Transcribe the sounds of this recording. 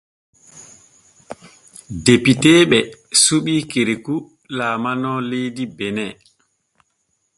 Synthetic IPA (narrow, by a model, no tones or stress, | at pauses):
depiteːɓɛsuɓiːkeɾeku | laːmanɔlejdibɛnɛ